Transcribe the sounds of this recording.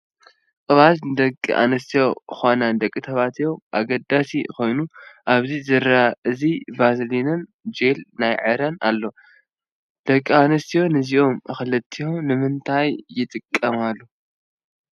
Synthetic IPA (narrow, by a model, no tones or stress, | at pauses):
qʼɨβat̪nɨd̪ɐkʼːḭʔa̰nɐst̪ʰijo̞xonand̪ɐkʼːit̪ʰɐβat̪joʔaɡɐd̪asiko̞jnuʔaβzizɨɾaʔɨzibaslinɐnd͡ʒelnajʕɨɾɐna̰lːo̞ | d̪̥ɐkʼːianɐst̪ʰijo̞nɨziʔo̞mɨxɨlɨt̪ʰːihonɨmɨnt̪ʰajːɪt̪ʼɨkʼːɐmalːu